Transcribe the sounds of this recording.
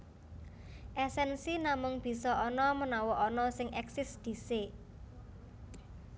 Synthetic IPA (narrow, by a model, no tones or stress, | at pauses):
ʔɛsɛnsinamʊŋb̥i̤sɔɔnɔmənɔwɔɔnɔsɪŋɛksɪsd̪̥i̤se